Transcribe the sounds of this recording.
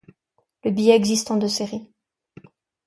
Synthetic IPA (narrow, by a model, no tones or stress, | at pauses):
ləbijɛːɡzist̪ɑ̃d̪øseʁi